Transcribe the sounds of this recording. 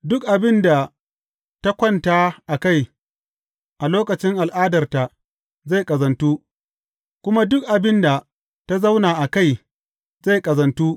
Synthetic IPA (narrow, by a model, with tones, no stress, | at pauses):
dʊ˦k̚ʔa˨bɪ˦nda˨ | ta˦kʷɔ˦ntaː˦ʔa˨ka˦˨j | ʔa˨loː˦kɐ˨t͡ʃɪ˦ŋʔa˨lʔaː˦dɐ˨rta˨ʔ | za˦˨jkʼɐ˨zɐ˨ntuː˦ | kʷʊ˦ma˦dʊ˦k̚ʔa˨bɪ˦nda˨ | ta˦za˦wnaː˨ʔa˨ka˦˨j | za˦˨jkʼɐ˨zɐ˨ntuː˦